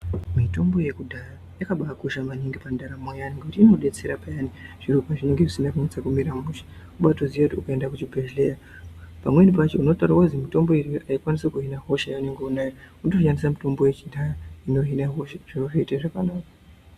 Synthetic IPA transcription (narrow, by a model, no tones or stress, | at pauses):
mito̞mbo̞je̞kudʱara | jakaɓaːkuʃamaniŋɡipandaɾamojaniŋɡekutiino̞ɗe̞t͡se̞ɾapajaniʐ̥irupaʐineŋɡeʐisindakunt͡sakumiɾamuʃḁ | uɓatoziʋakutiukae̞ndakut͡ʃibʱeʒleja | pamwe̞nip̬at͡ʃeuno̞taɾawauzimito̞mbo̞iriaikwanisekuɦinaɦo̞ʃajaune̞ŋɡeunajauntoʃandisamito̞mboje̞t͡ʃidʱaraino̞ɦinaɦo̞ʃaʐ̥iuʐeitaʐakanaːkḁ